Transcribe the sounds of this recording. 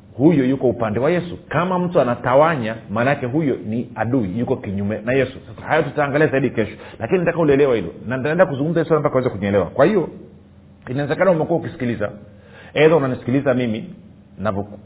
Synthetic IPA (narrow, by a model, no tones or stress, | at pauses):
hujɔjukɔupandɛwajɛsukamam̩tuanatawaɲamaːnaakɛɦujɔniaɗuijukɔkiɲumɛnajɛsusasahajɔtutaːŋɡaliazaiɗikɛʃɔ̥lakininatakahulɛlɛwahilɔ̰nantaɛndakuzuŋɡum̩zajɛsuanampakawɛzɛkuɲɛlɛwa̰kwahiɔ | inaɛzɛkanaumɛkuwahukisi̥kiliza̰ | ɛðaunanisi̥kilizamimi | navɔ